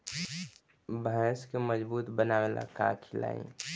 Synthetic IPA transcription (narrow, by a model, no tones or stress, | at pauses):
bʱəskeməd͡ʒbuːt̪bənawela̰ka̰kʰɪla̰ːḭ̃